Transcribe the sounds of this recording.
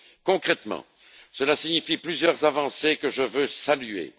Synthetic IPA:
kɔ̃kχɛt̪mɑ̰̃ | səlasiɲifiplyzjœʁzavɑ̃sekəʒəvøsalyḛ

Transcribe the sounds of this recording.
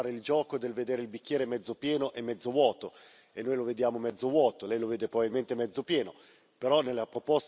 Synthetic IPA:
ɾeild͡ʒɔːkod̪elved̪eːɾeilbikʲːjɛːɾemɛd̪zopjɛːnoʔemːɛd̪zːovwɔːt̪o | enːoːjloved̪jaːmomɛd̪zovwɔːt̪olɛjloveːd̪epɾobavilment̪emɛd̪zopjɛːno | peɾɔnːelːapɾopos

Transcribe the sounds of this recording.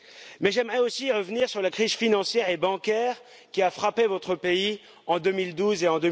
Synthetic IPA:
mɛʒɛmʁɛosiːʁəvniʁsyʁlakχizfinɑ̃sjɛʁebɑ̃kʲɛʁ | kʲiafχapevɔt̪χəpei | ɑ̃d̪ømild̪uzeɑ̃d̪ø

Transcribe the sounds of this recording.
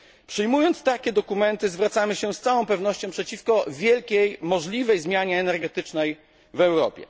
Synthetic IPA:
pʂɘjmujɔnt̪st̪akʲɛd̪ɔkumɛnt̪ɘzvɾat̪samɘɕɛst̪sawɔ̃w̃pɛvnɔɕt͡ɕɔ̃pʂɛt͡ɕifkɔvʲjɛlkʲejmɔʐlʲivɛjzmʲjaɲɛːnɛɾɡɛt̪ɘt͡ʂnɛj | vɛwɾɔ̰pʲjɛ̰

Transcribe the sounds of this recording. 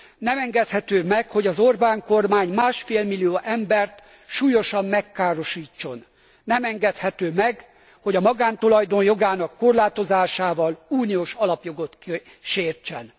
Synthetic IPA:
nɛmɛŋɡɛt̪hɛt̪øːmɛkho̞ɟɒzo̞rbaːŋko̞rmaːɲmaːʃfeːlmilːijoːʔɛmbɛrt̪ | ʃuːjo̞ʃɒmːɛkːaːɾo̞ʃiːt͡ʃːo̞n | nɛmɛŋɡɛt̪hɛt̪øːmɛɡ | ho̞ɟɒmɒɡaːnt̪olɒjd̪onjo̞ɡaːnɒkːo̞rlaːt̪o̞zaːʃaːvɒluːnioːʃɒlɒpjo̞ɡo̞t̪k | ʃeːrt͡ʃɛ̰n

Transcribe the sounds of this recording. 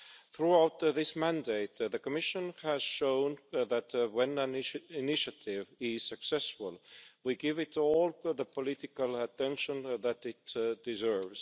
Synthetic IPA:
θɹuaʊt̪ðɪsmæ̃ndeɪt̪ðəkəmɪʃə̃nhæz̥ʃõʊ̃nðætwɛ̃nənɪnɪʃɨtʰɪvɪz̥sɨksɛsfəlˠwiɡɪvɪtɔlˠðəpʰəlɪtɪkəlˠətʰɛ̃nʃə̃nðætɪtd̥ɪzɜ˞vz̥

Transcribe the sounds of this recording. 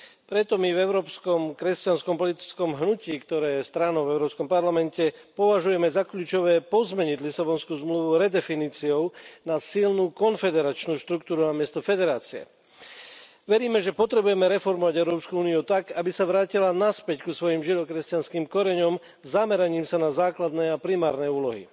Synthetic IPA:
pɾɛt̪ɔmivɛʊɾɔːpskɔmkɾɛscanskɔmpɔlit̪i̥t͡skɔmɦnuciːkt̪ɔɾɛːjɛst̪ɾanɔʊvɛʊɾɔːpskɔmpaɾlamɛncɛpɔʋaʒujɛmɛzakʎuːt͡ʃɔʋɛːpɔzmɛɲiɟlisabɔnskuːzmluʋuɾɛd̪ɛfiniːt͡siɔʊnasilnuːkɔnfɛd̪ɛɾat͡ʃnuːʃt̪ɾukt̪uːɾunamɪɛst̪ɔfɛd̪ɛɾaːt͡siɛ̰ | ʋɛɾiːmɛʒɛpɔt̪ɾɛbujɛmɛɾɛfɔɾmɔʋaɟɛʊɾɔːpskuuːniut̪aɡabisaʋɾaːcilanaspɛckusʋɔjimʒid̪ɔkɾɛscanskiːmkɔɾɛɲɔm | zamɛɾaɲiːmsanazaːklad̪nɛːapɾimaːɾnɛːuːlɔɦḭ

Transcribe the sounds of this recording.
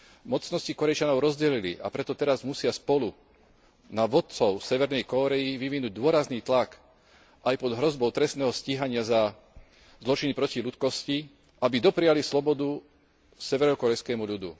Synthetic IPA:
mɔt͡snɔscikɔɾɛjt͡ʃanɔʊɾɔzɟɛlilḭʔa̰pɾɛt̪ɔt̪ɛɾazmusɪaspɔlu | naʋɔt̪̚t͡sɔʊsɛʋɛɾnɛjkɔɾɛjiʋiʋinuːɟ̚d̪ʊɔɾazniːt̪lak | ʔajpɔd̪ɦɾɔzbɔʊt̪ɾɛst̪nɛːɦɔsciɦaɲɪaza | zlɔt͡ʃinipɾɔcilut̪kɔsci | ʔabid̪ɔpɾijalislɔbɔd̪u | sɛʋɛɾɔkɔɾɛjskɛːmuʎud̪ṵ

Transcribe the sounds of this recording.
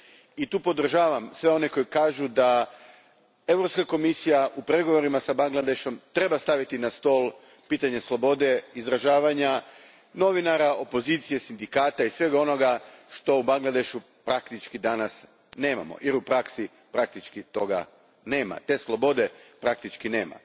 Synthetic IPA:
it̪uːpo̞d̪r̩ʒaːʋamsʋe̞o̞ne̞ko̞jkaːʒud̪a | e̞vɾo̞pskako̞misijaʔupɾe̞ɡo̞ʋo̞ɾimasabaŋɡlˠad̪e̞ʃo̞mt̪ɾe̞bast̪aʋit̪inast̪o̞ːlˠ | piːt̪aɲe̞slˠo̞bo̞d̪e̞izɾaʒaːʋaɲa | no̞ʋinaɾao̞po̞ziːt̪sije̞sind̪ikaːt̪aisʋe̞ɡao̞no̞ɡaʃt̪o̞ubaŋɡlˠad̪e̞ʃu | pɾakt̪it͡ʃkid̪anas | ne̞ːma̰mo̰jeɾupɾaksi | pɾak̚t̪it͡ʃkit̪o̞ɡa̰ | ne̞ːma̰t̪e̞ːslˠo̞bo̞d̪e̞pɾak̚t̪it͡ʃkineːma̰

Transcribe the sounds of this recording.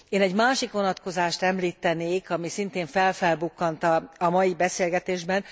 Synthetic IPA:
eːnɛɟmaːʃikʋo̞nɒt̪ko̞zaːʃt̪ɛmliːt̪ːɛneːkɒmisint̪eːɱfɛlfɛlbukːɒnt̪ɒɒmɒjibɛseːlɡɛt̪eːʒbɛn

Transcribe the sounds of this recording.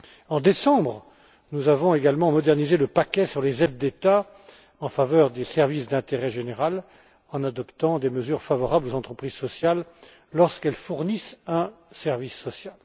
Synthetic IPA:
ɑ̃d̪esɑ̃bʁ | nuzavɔ̃eɡalmɑ̃mɔd̪ɛʁnizeləpakʲɛsyʁlezɛd̪̚ːet̪a | ɑ̃favœʁd̪esɛʁvisd̪ɛ̃t̪eʁɛʒeneʁal | ɑ̃nad̪ɔpt̪ɑ̃d̪eməzyʁfavɔʁablozɑ̃t̪χəpχizsɔsjalː | ɔʁskɛlfuʁnisɛ̃sɛʁvisːɔsjal

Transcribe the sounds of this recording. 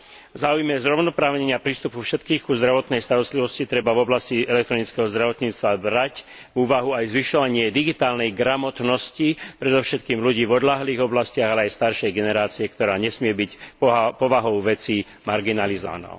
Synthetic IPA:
vzaːujmɛzɾɔʊnɔpɾaːʋɲɛɲɪapɾiːst̪upufʃɛt̪kiːɣkuzd̪ɾaʋɔt̪nɛjst̪aɾɔst̪liʋɔscit̪ɾɛbavɔblasciɛlɛk̚t̪ɾɔnit͡skɛɦɔzd̪ɾaʋɔt̪ɲiːt͡st̪ʋabɾac | vuːʋaɦuajzʋiʃɔʋaɲɪɛd̪iɡit̪aːlnɛjɡɾamɔt̪nɔscipɾɛd̪ɔʊʃɛt̪̚kiːmluɟiːvɔd̪laɦliːɣɔblascɪaɣalɛajst̪aɾʃɛjɡɛnɛɾaːt͡siɛkt̪ɔɾaːɲɛsmɪɛbicpɔʋaɦɔʊʋɛt͡si | maɾɡinalizɔ̰ʋa̰nɔ̰

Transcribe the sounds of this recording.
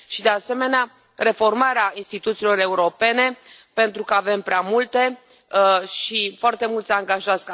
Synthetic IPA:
ʃid̪e̞ase̞me̞nea | re̞fo̞rmaɾeainst̪it̪ut̪silo̞ɾe̞uɾo̞pe̞ne̞pe̞nt̪ɾukəave̞mpɾeamult̪e̞ | ʃifoart̪e̞mult̪sʲaŋɡaʒats

